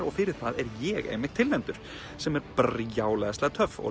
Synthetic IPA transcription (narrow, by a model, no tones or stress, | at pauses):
ɾɔɣfɪɾɪ̥θaðɛɾjɛɣḛːjmɪkt̪ʰɪlvɛnt̪ʏɾ̥ | sɛmɛɾprjaːwlɛðast̪aɣt̪ʰœvɔ̰